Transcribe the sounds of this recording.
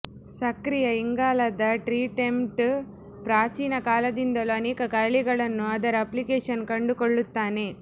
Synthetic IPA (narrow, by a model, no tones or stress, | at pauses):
sɐkɾijɐiŋɡaːlɐd̪ɐʈɾiːʈemʈ | pɾaːt͡ʃiːnɐkaːlɐd̪ind̪ɐloɐniːkɐkɐɭiɡɐɭɐnːuɐd̪ɐɾɐplikeːʂɐnkɐɳɖukoɭːut̪ːaːneː